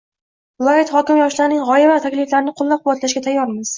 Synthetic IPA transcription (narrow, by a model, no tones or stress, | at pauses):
lˠɒjɪt̪χɒkʲɪmjɒʃlaɾnɪŋʁɒjɪvat̪ʰakʲlɪflaɾɪnɪqʰolˠːap̚qʰʊwat̪laʃɡʲat̪ʰajːɒɾmɪz̥